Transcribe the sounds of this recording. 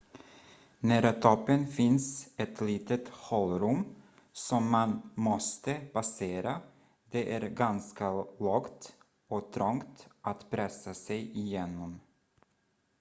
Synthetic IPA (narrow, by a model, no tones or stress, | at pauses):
næːɾat̪ʰɔpːənfɪnsɛt̪liːt̪ət̪hɔlɾɵm | sɔmːanmɔst̪əpaseːɾa | d̪ɛʔæɾɡanskalɔːɡt̪ | ɔt̪ʰɾɔŋt̪ʔat̪pʰɾɛsasɛjɪjeːnɔm